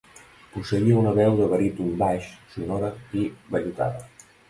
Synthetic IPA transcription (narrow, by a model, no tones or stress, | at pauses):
pusəiəunəβɛwðəβəɾit̪umbaʃsunoɾəiβəʎut̪a̰ðə